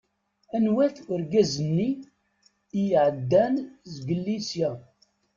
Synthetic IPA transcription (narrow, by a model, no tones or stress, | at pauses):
ænwæθəɾɡæzənːi | jʕəd̪ːænzɡəlːisja